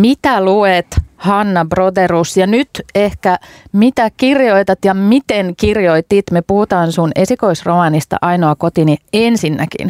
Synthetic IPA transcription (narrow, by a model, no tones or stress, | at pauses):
mit̪æluet̪hɑnːɑbrod̪erusjɑnyt̪ehkæmit̪ækirjoit̪ɑt̪jɑmit̪enkirjoit̪iːt̪mepuhut̪ɑːnsunesikoisromɑnist̪ɑ̰ʔɑinoɑkot̪iniensinːækḭn